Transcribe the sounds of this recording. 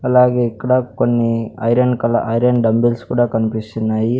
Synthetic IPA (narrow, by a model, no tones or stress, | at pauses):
ɐlaːɡeːikːɐɽakonːiɐ̰jɾɐɳkɐlɐʔɐjɾɐɳɖɐmbilskuːɽaːkɐnipist̪inːaːji